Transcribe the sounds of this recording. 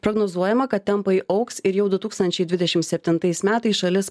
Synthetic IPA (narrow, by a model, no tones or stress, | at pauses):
pɾoːɡnoːzuɔjɛmɐkɐt̪̚ʲt̪ʲɛmpɐɪʔɐʊksɪɾjɛʊd̪ʊt̪uːkst̪ɐnʲt͡ʃʲɛɪd̪ʲʋʲɪd̪ʲɛʃʲɪmsʲɛpʲt̪ʲɪnt̪ɐɪsmʲæːt̪ɐɪsʃɐlʲɪs